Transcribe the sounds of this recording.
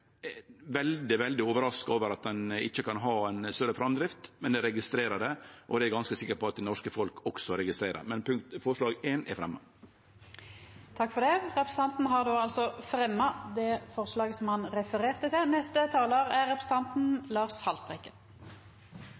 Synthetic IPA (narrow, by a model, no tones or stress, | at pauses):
ʋɛld̪ɪʋɛld̪ɪoːʋəɾɑskɑoːʋəɾɑt̪̚d̪ɛnɪçːəkɑnɦɑːæɪnst̪œɾəfɾɑmd̪ɾɪft̪mɛnd̪ɛɾɛɡɪst̪ɾeːɾəɖ̪ɛʔɔd̪ɛæɾɡɑnskəsɪkːəɾpɔɑt̪̚d̪ɛnɔʂkəfɔlkʰɔksɔɾɛɡɪst̪ɾeːɾə̰ɾmɛnpʰʉŋkt̪fɔɾʂɭɑːɡeːnɛ̰ɾfɾɛmːə | t̪ʰɑkːfɔʁd̪ɛʁɛpɾəs̩t̪ɑnt̪n̩ɦɑʁd̪oːɑlsɔfɾɛmːɑd̪ɛfɔʁslɑːɡəsɔmhɑnʁɛfəʁeːʁt̪ət̪ʰɪlnɛst̪ət̪ʰɑːloːʁæʁɛpʰɾəsə̥t̪ɑnt̪n̩lɑːʁshɑlt̪ʁɛkːən